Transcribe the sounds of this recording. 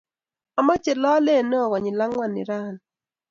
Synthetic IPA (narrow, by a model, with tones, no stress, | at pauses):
a˨ma˦t͡ʃe˨lɔ˦le˦˨nɔ˦ɔ˨ɣɔ˨ɲɪ˨la˦ŋwa˦˨nːɪ̰˨ɾa˦˨n